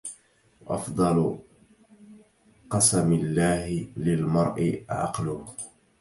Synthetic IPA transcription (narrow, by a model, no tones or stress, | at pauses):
wʔɑfd̪ˤɑl | qɑsamɪlːaːhɪlɪlmɑɾˤʔɪʕɑ̰qlʊ